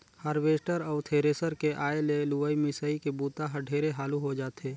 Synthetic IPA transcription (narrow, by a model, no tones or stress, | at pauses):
həɾʋeːsʈəɾɔːt̪ʰeːɾeːsəɾkeʔaːeleluəimɪsəikebuːt̪aɦɐɖʱeːɾeɦaːluɦod͡ʒaːt̪eː